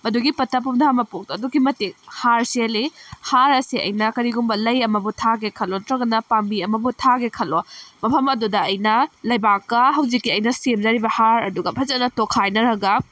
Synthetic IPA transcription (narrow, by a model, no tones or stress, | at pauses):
mɐduɡipɐtʰɐp̬umdʰʱamɐpok̚dɐdukimɐtik̚haɾselihaɾɐsiɐ̰jnɐkɐɾiɡumbɐlɐjɐmɐbutʰaɡekʰɐlotɾɐɡɐnɐpambiɐmɐbutʰaɡekʰɐlomɐpʰɐmɐdudɐːjnɐlɐjbakːɐɦɐwzikːiɐjnɐsemzaɾibɐhaɾɐduɡɐbʰɐzɐnɐtokʰajnɐɾɐɡɐ